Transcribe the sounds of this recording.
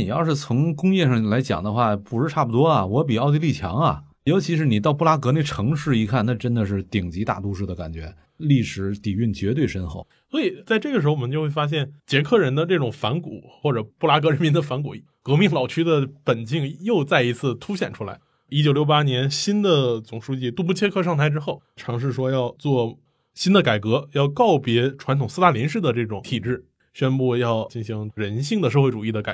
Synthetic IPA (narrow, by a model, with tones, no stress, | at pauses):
ni˨˩jɑ˥˧ʊʂɻ̩˥˩t͡sʰʊ˧˥ŋkʊ˥ŋjɛ˥˧ʂɑ˥˩ŋla˧˥ɪt͡ɕjɑ̰˨˩ŋd̪ə˦xwa˥˩pu˧˩ʂɻ̩˥˧ʈ͡ʂʰa˥˩pu˩t̪wɔ˥ɐ˨˩wɔ˧˥p̬i˨˩ɑ˥˧ʊi˥˧li˥˩t͡ɕʰjɑ̰˧˥ŋɐ̰˨ | jo˧˥ʊt͡ɕʰi˧˥ʂɻ̩˧˥ni˨˩t̪ɑ˥˧ʊpu˥˩la˥kɤ˧˥ne˥˩ʈ͡ʂʰɤ˧˥ŋʂɻ̩˥˩i˧˥kʰa˥˩nnə˧˩ʈ͡ʂə˥nd̪ə˨ʂ̬ɻ̩˥˩t̪i˨˩ŋt͡ɕi˧˥t̪a̰˥˩t̪u˥ʂɻ̩˥˩d̪ə˩ka˨˩nt͡ɕɥɛ̰˧˥ | li˥˩ʂɻ̩˧˩˥t̪i˨˩y˥˩nt͡ɕɥɛ˧˥t̪we˥˩ɪʂə˥nxo˥˩ | swɔ˧˥i˨˩t͡sa˥˧ɪʈ͡ʂɤ˥˩ɡə˩ʂɻ̩˧˥xwɔ˨˩mə˦˥t͡ɕo˥˧xwe˥˩fa˥ɕ̬jɛ˥˩nt͡ɕjɛ˧˥kʰɤ˥˩ɻə˧˥nd̪ə˧nɤ˥˩ʈ͡ʂʊ˨˩ŋfa˧˥nku˨˩˦xwɔ˥˩ʈ͡ʂɤ˨˩pu˥˩la˥k̬ɤ˧˥ɻə˧˥nmi˧˥nd̪ə˧fa˧˥nk̬ṵ˨˩ | kɤ˧˥mi˥˩ŋlɑ˨˩ʊt͡ɕʰy˥d̪ə˨pə˨˩nt͡ɕi˥˧ŋjo˥˧ʊt͡sa˥˩ɪi˧˥t͡sʰɹ̩˥˩t̪ʰu˥ɕjɛ˨˩nʈ͡ʂʰu˥la̰˧˥ɪ | i˥t͡ɕjo˨˩jo˥˩ʊpa˥njɛ˧˥nɕi˥nd̪ə˨t͡sʊ˨˩ŋʂu˥t͡ɕi˥˧t̪u˥˧˩pu˥˩t͡ɕʰjɛ˥kʰɤ˥˧ʂɑ˥˧ŋt̪ʰa˥˧ɪʈ͡ʂɻ̩˥xo˥˩ʊʈ͡ʂʰɑ˧˥ŋʂ̬ɻ̩˥˩ʂwɔ˥jɑ˥˧ʊt͡swɔ˥˩ | ɕi˥nd̪ə˨ka˨˩ɪkɤ˧˥jɑ˥˧ʊkɑ˥˩ʊpjɛ˧˥ʈ͡ʂʰwa˧˥nt̪ʰʊ˨˩ŋsɹ̩˥˧a˥˩ljɛ˧˥nʂ̬ɻ̩˥˩d̪ə˩ʈ͡ʂɤ˥˩ʈ͡ʂʊ˨˩˦ŋt̪ʰi˨˩ʈ͡ʂɻ̩˥˩ | ɕɥɛ˥npu˥˧jɑ˥˩ʊt͡ɕi˥˩ŋɕi˧˥ŋɻə˧˥nɕi˥˩ŋd̪ə˩ʂ̬ɤ˥˧xwʈ͡ʂu˨˩i˥˩d̪ə˩ka̰˨˩